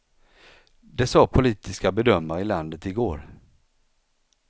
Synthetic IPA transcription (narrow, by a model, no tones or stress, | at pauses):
d̪ɛsɑːpʰʊliːt̪ɪskabɛd̪œmːaɾɪland̪ət̪ɪɡoːɾ